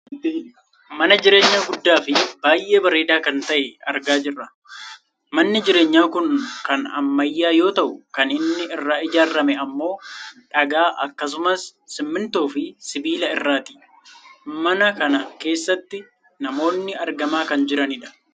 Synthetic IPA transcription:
mɐnɐd͡ʒɪɾe̞ːɲːaːɡʊd̪ːaːfɪbaːjʔe̞ːbɐɾeːd̪aːkɐnt̪ɐʔɛɐ̰ɾɡaːd͡ʒɪrːɐ | mɐnːɪd͡ʒɪɾe̞ːɲːaːkʊnkɐnɐ̰mːɐjːaːjo̞ːt̪ɐʔʊkɐnɪnːɪɪrːaːɪd͡ʒaːɾɐmɛɐmːo̞ːᶑɐɡaːʔɐ̰kːɐs̬ʊmɐsːɪmːɪnt̪oːfɪsɪbiːlɐɪrːaːt̪ɪ̥ | mɐnɐkɐnɐke̞ːsːɐt̪ːɪ | nɐmo̞ːnːɪɐɾɡɐmaːkɐnd͡ʒɪɾɐnɪᶑɐ̥

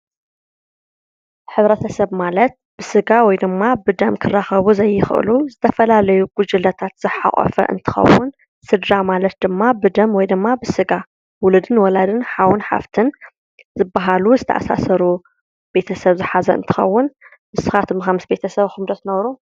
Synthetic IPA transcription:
ħɨβɾɐt̪ʰɐsɐβmalɐt̪̚b̥ɨsɨɡawɔjd̪ɨmːabɨd̪ɐmkʰɨrːaxɐβuzɐjːɪxʔɨ̰luzɨt̪ʰɐfɐlalɐjuɡ̥ud͡ʒɨlɐt̪ʰat̪z̥ɨħa̰ʔʼɔ̰fɐ̰ʔɨ̰nt̪ʰɨ̥xɐ̰wʊn | sɨd̪ɾamalɐt̪̚d̪ɨmːabɨd̪ɐmwɔjd̪ɨmːabɨsɨɡa | wʊlɨd̪ɨnwɔlad̪ɨnħawʊnħa̰ft̪ʰɨn | zɨbːaɦaluzɨt̪ʰɐ̰ʔa̰sa̰asɐɾu | b̥e̞t̪ʰɐsɐβzɨħazɐ̰ɨ̰nt̪ʰɨ̥xɐ̰wːʊn | mɨsɨxat̪ʰɨmɨxɐmɨsbe̞t̪ʰɐsɐβxɨmd̪ɐt̪nɐβɾu

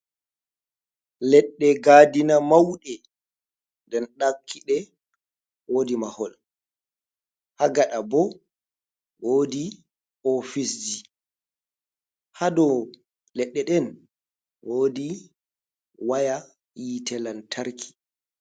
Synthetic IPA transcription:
lɛɗːɛɡaːdinamawɗɛ | dɛnɗakʰːiɗɛ | woːdimahɔl | haɡaɗabɔ | woːdi | ɔfisd͡ʒi | hadɔ | lɛɗːɛɗɛn | woːdi | waja | jitɛlantʰaɾkʰi̥

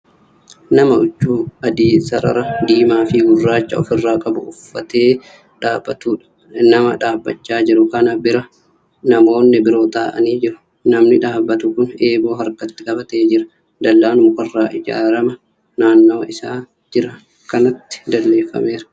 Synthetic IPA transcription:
nɐmɐʔʊt͡ʃːuːɐd̪iːsɐɾɐ̰ɾɐd̪iːmaːfɪɡʊrːaːt͡ʃːɐɔ̰fɪrːaːkʼɐbʊʊfːɐt̪e̞ː | ᶑaːb̥ːɐt̪uːᶑɐ̥ | nɐmɐ̰ᶑaːbːɐ̰t͡ʃːaːd͡ʒɪɾʊkɐnɐbɪɾɐ | nɐmo̞ːnːɪbɪɾo̞ːt̪ʼa̰ːʔɐ̰niːd͡ʒɪɾʊ̥ | nɐmnɪᶑaːbːɐt̪ʊkʊne̞ːbo̞ːɦɐɾkɐt̪ːɪkʼɐbɐt̪eːd͡ʒɪɾɐ̥ | d̪ɐlːaːnʊmʊkɐrːaːʔɪd͡ʒa̰ːɾɐmɐ | naːnːoːɪsaː | d͡ʒɪɾɐ | kɐnɐt̪ːɪ̥d̪ɐlːe̞ːfːɐ̰me̞ːɾɐ̥

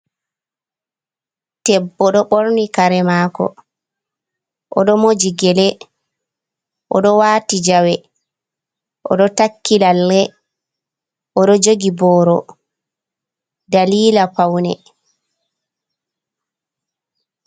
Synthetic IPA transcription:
tɛbːɔɗɔɓoɾnikaɾɛmaːkɔ̰ | ʔɔɗɔmod͡ʒiɡɛlɛ | ʔɔɗɔwaːtid͡ʒawɛ | ʔɔ̰ɗɔtakːilalːɛ | ʔɔɗɔd͡ʒoɡibɔːɾɔ | daliːlapawnɛ̰

